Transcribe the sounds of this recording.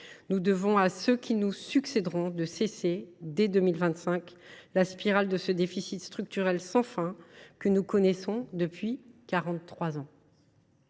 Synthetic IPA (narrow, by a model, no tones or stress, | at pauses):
nud̪əvɔ̃asøkʲinusyksɛd̪ʁɔ̃d̪əsesed̪ɛd̪əmilvɛ̃t̪sɛ̃klaspiʁald̪əsəd̪efisit̪st̪χyk̚t̪yʁɛlsɑ̃fɛ̃kənukɔnɛsɔ̃d̪əpɥikaʁɑ̃t̪ːχwazɑ̃